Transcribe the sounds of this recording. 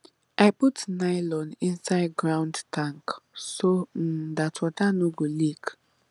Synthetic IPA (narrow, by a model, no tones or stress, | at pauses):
aɪputnaɪlɔ̃nĩnsaɪd̚ɡɹãʊ̃ndtʰãŋksodatʰwɔtanoɡolik